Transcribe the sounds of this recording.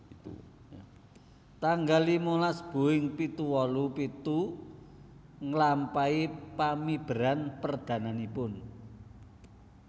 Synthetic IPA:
t̪aŋɡalimolasb̥ṳɪŋpit̪uwɔlupit̪u | ŋəlampaipamib̥əɾanpərd̪̥ä̤nanipʊn

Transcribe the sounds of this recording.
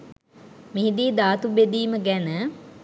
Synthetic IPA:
miɦid̪iːd̪aːt̪ubed̪iːməɡænə

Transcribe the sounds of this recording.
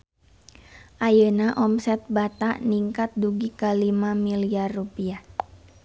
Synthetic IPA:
ʔajənaʔɔmsɛt̪̚bat̪aʔniŋkat̪̚duɡikalimamiliarːupiah

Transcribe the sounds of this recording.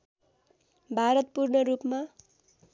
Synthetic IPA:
bʱaɾʌt̪̚purnʌrupma

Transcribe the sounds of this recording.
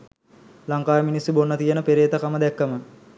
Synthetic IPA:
laŋkaːjəminisibonːət̪ijənəpeɾeːt̪əkaməd̪ɛkːəmə

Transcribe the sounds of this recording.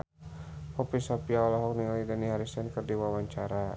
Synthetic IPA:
pɔpisapiaɔlɔɦɔk̚nilidaniɦaɾisɛnkərdiwawaɲt͡ʃaɾa

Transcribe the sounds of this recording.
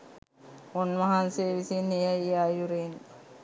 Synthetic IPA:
onmɐɦanseːʋisinejaiajuɾen

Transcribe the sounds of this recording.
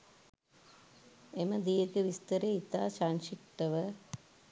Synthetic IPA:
emɐd̪ijɐkɨʋist̪ɐɾeit̪aːɕaːnɕiʈːɐʋɐ

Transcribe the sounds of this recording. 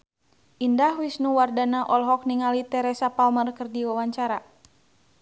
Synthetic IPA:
indahwisnuwardanaʔɔlɦɔk̚niŋalit̪ɛɾɛsapalmərkərdiwawaɲt͡ʃaɾa

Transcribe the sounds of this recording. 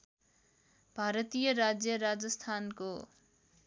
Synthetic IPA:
bʱaɾʌt̪ijʌɾad͡zjʌɾad͡zʌst̪ʰanko

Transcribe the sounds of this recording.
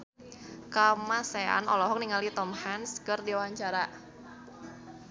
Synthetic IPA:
kamasea̰nɔ̰lɔɦɔk̚niŋalit̪ɔmhanskərdiwaɲt͡ʃaɾa

